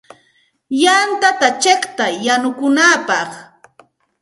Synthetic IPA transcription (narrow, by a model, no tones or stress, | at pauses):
jant̪at̪at͡ʃekt̪ajanʊkʊnaːpɑχ